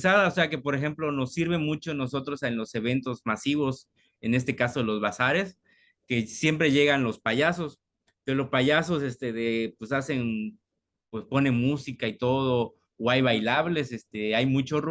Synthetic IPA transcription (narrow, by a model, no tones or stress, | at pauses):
saðaose̞ake̞po̞ɾexemplo̞no̞sːiɾβ̞e̞mut͡ʃo̞no̞so̞t̪ɾo̞senlo̞se̞β̞e̞nt̪ozmasiβ̞o̞s | e̞ne̞s̬t̪e̞kaso̞ðelo̞zβasaɾe̞s | ke̞sje̞mpɾe̞ʝe̞ɣanlo̞spaʝaso̞s | peɾolo̞spaʝaso̞sest̪eðepwe̞sase̞n | pwe̞spo̞ne̞musikait̪o̞ð̞oː | ajβajlaβle̞sest̪eajmut͡ʃor